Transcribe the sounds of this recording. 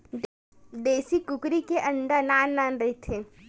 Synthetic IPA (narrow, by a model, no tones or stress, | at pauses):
d̪eːsikʊkɾikeʔɐ̃ɳɖanaːnːaːnɾɐɦet̪ʰeː